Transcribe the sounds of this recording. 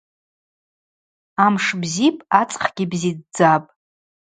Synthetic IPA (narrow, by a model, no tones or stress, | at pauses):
amʂbzipʼat͡sʼχɡʲibzid̚d͡zapʼ